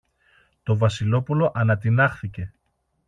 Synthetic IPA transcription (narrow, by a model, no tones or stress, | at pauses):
t̪o̞vɐsilo̞pulo̞ʔɐnɐt̪̬inɐxθice̞